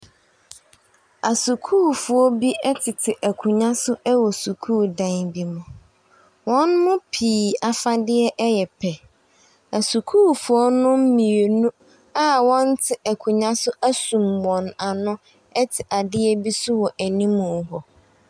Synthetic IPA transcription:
a˨su˨kʰuː˦˨fʊ˨ɔ˦bi˦ɛ˦tʰɪ˨tʰɪ˨ʔæ˨kʰu˨ɲã˦sʊ˦ʔɛ˦wɔ˨su˨kʰuː˦˨dã˨ŋbi˨mʊ̃˨ | wɔ̃˦nmʊ̃˦pʰiː˨a˨fa˦dɪ˦ɛ˦ʔɛ˦jɛ˨pʰɛ˨ | æ˨su˨kʰuː˦fʊ˨ɔ˦nʊ̃˦m̩˦mĩ˨e˨nũ˦ | a˦wɔ̃˦n˦tʰɪ˨ʔæ˨kʰu˨ɲã˦sʊ˦ʔæ˦sũ˨mːɔ̃˨na˨nʊ̃˦ | ɛ˦tʰɪ˨ʔa˨dɪ˦ɛ˦bi˦sʊ˦wɔ˨ʔæ˨nĩ˦mʊ̃˨ɦɔ˨

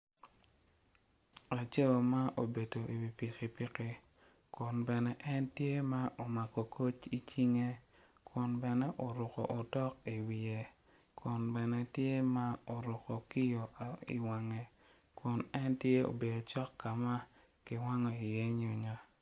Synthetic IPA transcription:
a˨t͡ʃo˦˨ma˦ʔo˨be˨do˨ʔi˨wi˨pi˨ki˨pi˦ki˦ | kʊ˨nbɛ˨nɛ˦ʔɛ˦ntje˦ma˦ʔo˨ma˨kɔ˨kʰo˦t͡ʃi˦t͡ʃi˦ŋe˦ | kʰʊ˨nbɛ˨nɛ˦ʔo˨ɾʊ˨kɔ̰˨ʔo˨dɔ˦ki˨wi˨e˨ | kʰʊ˨nbɛ˨nɛ˦tje˦ma˦o˨ɾʊ˨ko˨ki˦jo˨ḭ˨wa˨ŋɛ˦ | kʊ˨nɛ˦ntje˦o̰˨be˨do˨t͡ʃɔ˦kːa˨ma˦ | ki˨wa˦ŋɔ˨i˨jɛ˦ɲo˨ɲa˦

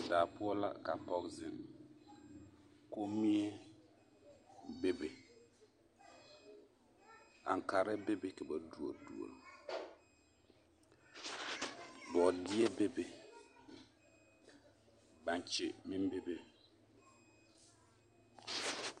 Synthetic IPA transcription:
daː˨pʊ˦ɔ˦la̰˦ka˨pɔ˦kzɪ˨m | ko˦mi˦e˦ | be˦be˨ | a̰˨ŋ˨ka˨ɾɪ˦bɪ˦bɪ˦kɛ˨ba˨du˨o̰˨dṵ˨o̰˨l | bɔ˨di˦ɛ˦be˦be˨ | ba˨ɲ˨t͡ʃɪ˨mɪ˦m˦be˦be˦

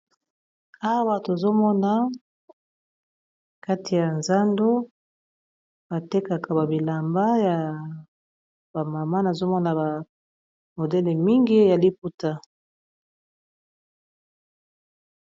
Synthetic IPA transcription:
a˦a˦wa˦to˨zo˦mɔ˦na˦ | ka˦tʰi˨ja˨nza˦ndo˦ | b̥a˨te˦ka˨ka˨ba˨bi˨la˨mba˦ja˨ | ba˨ma˨ma˦na˨zo˦mɔ˦na˨ba˨ | mo˨dɛ˦le˨mi˦ŋɡi˦ja˨li˦p̚u˦ta˦

